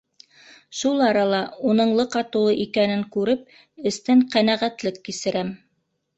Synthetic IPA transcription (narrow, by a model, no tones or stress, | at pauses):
ʃulˠɑɾɑlˠɑunɤ̆ɴlˠɤqɑt̪ŭlˠɤʔikænɘŋkʉɾɘp̚ | ɘ̆st̪ɘŋqænæʁæt̪lɘkːisɘ̆ɾæm